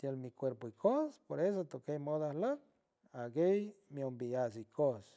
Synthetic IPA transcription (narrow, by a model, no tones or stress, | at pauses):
t̪jelmikʷeɾpoikʰospoɾes̬ot̪okejmoðahlan | aɡejmiombias̬ikʰos